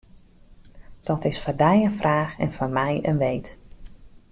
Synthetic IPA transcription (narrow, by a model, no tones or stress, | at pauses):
d̥ɔtɪsfɔrdɛjənfrʔaːxɛ̰nfɔnmɛjənʋejt